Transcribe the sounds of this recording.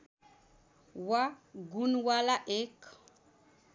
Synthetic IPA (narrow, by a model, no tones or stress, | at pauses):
waɡunwalaʔek